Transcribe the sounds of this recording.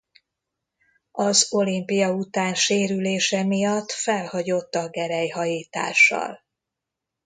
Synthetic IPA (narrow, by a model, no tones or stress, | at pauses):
ɒzo̞limpijɒut̪aːnʃeːɾyleːʃɛmijɒt̪ːfɛlhɒɟo̞t̪ːɒɡɛɾɛjɦɒjiːt̪a̰ːʃːɒ̰l